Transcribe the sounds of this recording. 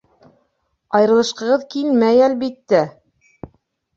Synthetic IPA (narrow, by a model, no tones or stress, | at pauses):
ɑjɤɾɤ̆lˠɤ̆ʃqɤ̆ʁɤðkilmæjælbit̪ːæ